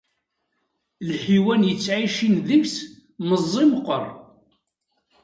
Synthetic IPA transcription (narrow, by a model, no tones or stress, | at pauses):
lħiwænjət͡sːʕiʃinðəçs | məzˤːimqːəɾˤ